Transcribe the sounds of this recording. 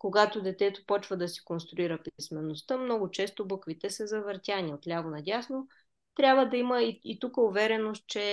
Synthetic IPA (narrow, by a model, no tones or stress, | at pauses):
koɡat̪od̪ɛt̪ɛt̪opɔt͡ʃvəd̪ɐsi̥konst̪ɾʊiɾəpismɛnost̪əmnɔɡʊt͡ʃɛst̪obɤkvit̪ɛsəzɐvəɾt̪ʲaniot̪lʲavonɐd̪ʲasno | t̪ɾʲabvəd̪ɐiməiit̪ukəʊvɛɾɛnost̪̚t͡ʃɛ